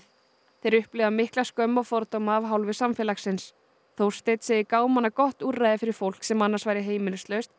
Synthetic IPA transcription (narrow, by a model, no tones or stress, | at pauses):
θejɾʏhplɪɣðamɪhklaskœmːafɔɾt̪owmaːvɦawlvɪsamfɛlaxsɪns | θow̥st̪ejt̪seːjɪkaːwmanːakɔht̪uːrajðɪfɪɾɪɾ̥fowl̥ksɛmanːaɾ̥svaːjɾɪɦeːjmɪnʏst̪lœɥst̪̚